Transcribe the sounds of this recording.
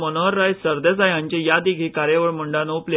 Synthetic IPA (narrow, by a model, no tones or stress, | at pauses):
mənəəɾːajsəɾd̪esajãɲt͡ɕejad̪iɡʱikaɾjeʋəɭməɳɖanoplje